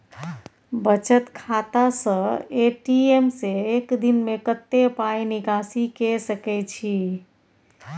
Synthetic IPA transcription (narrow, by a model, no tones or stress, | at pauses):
bət͡ʃət̪kʰat̪asə̃eʈiemseekd̪inmekət̪ːepajnikasikesəkɛt͡ʃʰi